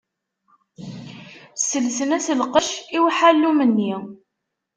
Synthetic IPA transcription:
sːəlsənæsəlqəʃiwħalːumənːi

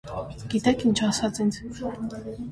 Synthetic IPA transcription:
ɡ̥it̪ɛkʰint͡ʃʰasat͡sint͡sʰ

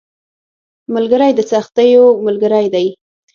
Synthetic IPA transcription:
mʊlɡəɾajd̪ət͡saxt̪əjomʊlɡəɾajd̪aj

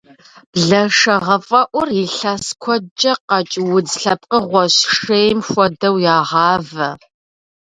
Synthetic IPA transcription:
b̥ɮɐʂɐʁɐfʼɐʔʷʊriɬaskʷʰɔd͡ʒʼɐqɑt͡ʃʼwʊd͡zɬɐp̚qəʁʷɔɕʂejmxʷɔdɐwjaːʁɑːvɐ

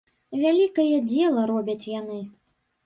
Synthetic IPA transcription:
vʲalʲikɐjɛd͡zʲɛlˠɐɾɔbʲɐt͡sʲjanɨ

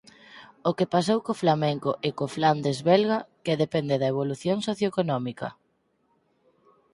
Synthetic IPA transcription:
okepas̬owkoflamɛŋkoʔekofland̪ezβɛlɣɐkeðepɛnd̪eðɐeβ̞oluθjoŋsoθjoekonɔmikɐ̰

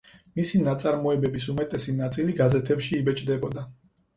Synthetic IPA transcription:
misinat̪sʼaɾmɔɛbɛbisumɛt̪ʼɛsinat̪sʼiliɡazɛt̪ʰɛpʃiːbɛt͡ʃʼd̪ɛbɔd̪a

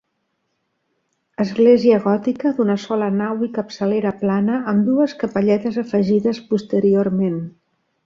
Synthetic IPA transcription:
əzɣleziəɣ̞ɔt̪ikəðunəsɔlənawikəpsəleɾəplanəəmd̪uəskəpəʎɛt̪əzəfəʒiðəspust̪əɾiormen

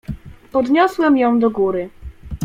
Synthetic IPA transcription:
pɔd̪ɲɔswɛmjɔ̃w̃d̪ɔɡuɾɘ

